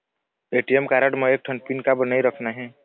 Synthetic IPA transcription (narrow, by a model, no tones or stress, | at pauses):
eːʈiemkaːɾəʈməeːk̚ʈʰə̃npinkabənaːiɾəkʰnaɦɛ̃ː